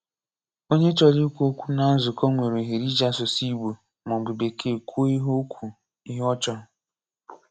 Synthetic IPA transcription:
o˦ɲe˦t͡ʃɔ˨li˦kʷu˦o˦kʷu˦na˨˦zʊ˨kɔ˦ŋʷe˨ɾo˨ɦe˨ɾi˦d͡ʒa˦sʊ˨si˦ɡ͡bu˨ | mɔ˨ɡ͡bu˨be˨kʰe˦˨kʷo˦i˦ɦo˦kʷʰu˨ | i˦ɦɔ˦t͡ʃɔ˦

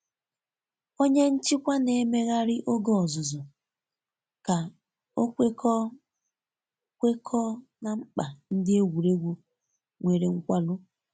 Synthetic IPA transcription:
o˦ɲe˦n̩˦t͡ʃɪ˦kʷa˦ne˨˦me˦ɣa˦ɾɪ˦ʔo˦ɡɔ˦ɔ˨zʊ˨zɔ˨ | ka˨ | o˦kʷe˦kʰɔ˦ | kʷe˦kʰɔ˦na˨ŋ͡m̩˦k͡pa˨n̩˦dɪ˦e˦wʷu˨ɾe˦ɡʷo˦ | ŋʷe˨ɾe˨ŋ̩˦kʷa˦lʊ˦

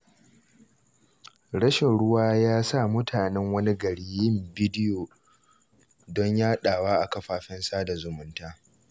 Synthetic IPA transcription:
ɽɐ˦ʃɪ˨nɽʊ˦waː˦jaː˦sa˦˨mʊ˦tʰaː˨nɛ˦ŋwɐ˦ni˦ɡɐ˨ɽiː˨jɪ˦˨mbi˦dɪ˦joː˨ | dɔ˦ɲjaː˦ɗaː˨waː˦ʔa˨kɐ˦ɸaː˦˨ɸɛ˦nsaː˦da˨zʊ˨mʊ˦ntaː˦

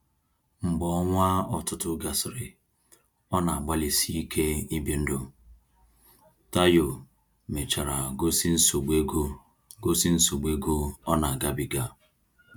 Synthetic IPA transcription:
ŋ͡m̩˨ɡ͡bɔ˨˦ɔ˦ŋʷa˦ɔ˨tʊ˦tʊ˦ɡa˨sɪ˨ɾɪ˨ | ɔ˦na˨a˨ɡ͡ba˦li˨si˦i˦kʰe˦i˦bi˨n̩˦do˨ | ta˦jo˨ | me˨t͡ʃa˨ɾa˨ɡo˦si˦n̩˦so˨ɡ͡be˦o˦ | ɡo˦si˦n̩˦so˨ɡ͡be˦ɡo˦ɔ˦na˨a˨ɡa˦bi˦ɡa˦

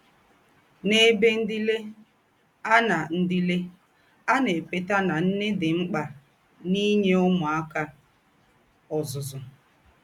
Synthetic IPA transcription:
ne˦be˦n̩˦di˦le˦ | a˦na˨n̩˦di˦le˦ | a˦ne˨k͡pe˨ta˦na˨n̩˦ne˦dɪ˨ŋ͡m̩˦k͡pa˨ | ni˦ɲe˦ʊ˦mʊ˨a˦ka˦ | ɔ˨zʊ˨zʊ˨

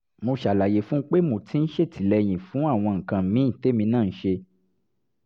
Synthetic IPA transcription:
mo˧ʃa˨la˨je˨˦fũ˦k͡pe˦mo˨tĩ˦n̩˦ʃe˦˨tʰi˨lɛ˧j̃ĩ˨fũ˨˦a˦˨w̃ɔ̃˧ŋ̩˨kã˧˦mĩ˨˦˨te˨˦mĩ˧nãː˦˨˦ʃe˧

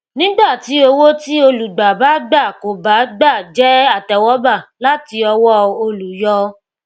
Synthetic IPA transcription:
nĩ˦ɡ͡ba˦˨ti˨˦o˧wo˦ti˦o˧lu˨ɡ͡ba˨ba˨˦ɡ͡ba˦˨ko˨ba˨˦ɡ͡ba˦˨d͡ʒɛ˦a˦˨tɛ˨wɔ˦ba˦˨la˦ti˧˦ɔ˧wɔ˦o˧lu˨jɔ˧˦

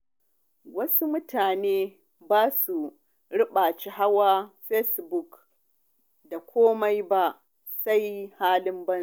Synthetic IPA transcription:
wɐ˦su˦mʊ˦tʰaː˨neː˦ | baː˦su˨ | ɽʊ˦ɓa˨t͡ʃi˦ɦa˦wa˦ɸɛ˦sbʊ˦k | da˨kʷʰoː˦ma˦jba˦ʔ | sa˦jhaː˦lɪ˦mbɐ˦n˨

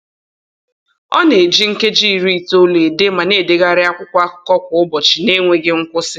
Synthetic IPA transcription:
ɔ̰˦ne˨d͡ʒi˦ŋ̩˦ke˦d͡ʒi˦˨ɾi˦˨to˦le˨de˦ma˨ne˦˨de˨ɣa˦ɾɪ˦a˦kʷʊ˦kʷa˦kʊ˨kɔ˦kʷʊ˨ʊ˦bɔ˨t͡ʃɪ˨ne˦ŋʷe˦ɡɪ˦ŋ̩˦kʷʊ˦sɪ˦

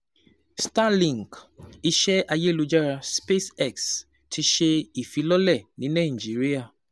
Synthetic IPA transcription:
sta˦lĩ˨ŋki˦ʃɛ˦a˧je˦˨lu˨˦d͡ʒa˦ɾa˧spe˦sɛ˦˨ks | tʰi˧ʃe˦i˨fi˨˦lɔ˦lɛ˦˨nĩ˨˦nã˦˨d͡ʒi˨˦ɾi˦a˦˨

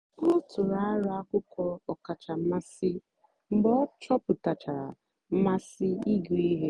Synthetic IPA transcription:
ʊ˦tʊ˨ɾa˨a˦ɾʊ˨a˦kʊ˦kɔ˦ɔ˨ka˨t͡ʃa˨m̩˦ma˦sɪ˦ | m̩˦ɡ͡bɔ˦t͡ʃɔ˦pʊ˨ta˨t͡ʃa˨ɾa̰˨ | m̩˦ma˦sɪ˦i˦ɡu˨i˦ɦe˦

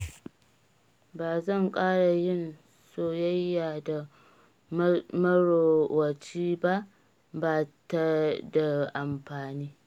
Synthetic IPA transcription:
baː˨zɐ˦˨ŋkʼaː˦ɽa˨jɪ˦˨n | soː˦jɐ˦jːaː˨da˨ | mɐ˦ɽo˨wɐ˨t͡ʃiː˦ba˦ʔ | baː˨ta˦da˨ʔa˨mɸaː˨niː˦

